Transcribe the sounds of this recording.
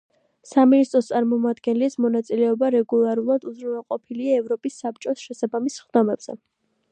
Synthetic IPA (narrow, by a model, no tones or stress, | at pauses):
saminist̪ʼɾɔst̪sʼaɾmɔmad̪ɡɛnlismɔnat̪sʼilɛɔbaɾɛɡulˠaɾulˠad̪uzɾunvɛlˠqʼɔpʰiliaɛvɾɔpʼisːap̚t͡ʃʼɔsʃɛsabamisχd̪ɔmɛb̥z̥ɛ̰